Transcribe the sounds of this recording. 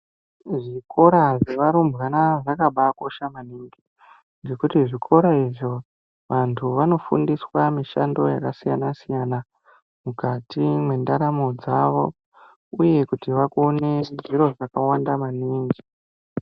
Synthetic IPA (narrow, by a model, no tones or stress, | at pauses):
ʐikʰo̞ɾaʐe̞ʋaɾumbɣanaʐakaɓako̞ʃamaniŋɡi | nd͡ʒekutiʐikʰo̞ɾaiʐo | ʋantʰuʋano̞fṵndiswamiʃando̞jakasijanasijana | mukatimwe̞ndaɾamo̞d͡zaʋo̞ | uje̞kutiʋakone̞niɾo̞ʐakawandamaniːŋɡi